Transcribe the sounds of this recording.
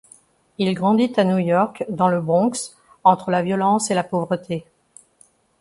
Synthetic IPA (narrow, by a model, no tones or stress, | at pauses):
ilɡʁɑ̃d̪it̪anjujɔʁkd̪ɑ̃ləbʁɔ̃ks | ɑ̃t̪χəlavjɔlɑ̃selapovʁət̪ʰe